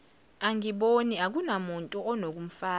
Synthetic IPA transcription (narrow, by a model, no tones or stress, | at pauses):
aŋiɓoniak̬unamuntʼuɔnok̬ʼum̩faː